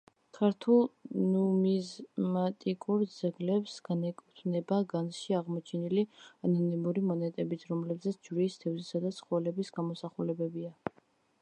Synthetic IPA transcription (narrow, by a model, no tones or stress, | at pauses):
kʰaɾt̪ʰulˠnumizmat̪ʼikʼuɾd̪zɛɡlɛpsɡ̥anɛkʼut̪ʰvnɛbaɡansʃiaʁmɔt͡ʃʰɛnilianɔnimuɾimɔnɛt̪ʼɛbit̪ʰɾɔmlɛbzɛt̪sʰd͡ʒɾiːst̪ʰɛvzisad̪at̪sʰχɔɛlɛbisɡamɔsaχulɛbɛbia